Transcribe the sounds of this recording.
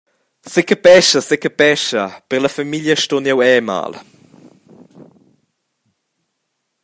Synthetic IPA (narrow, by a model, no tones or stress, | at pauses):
sekəpɛʃəsekəpɛʃɐpəʁlɐfamiljəʃtonjɛwɛːma̰ːl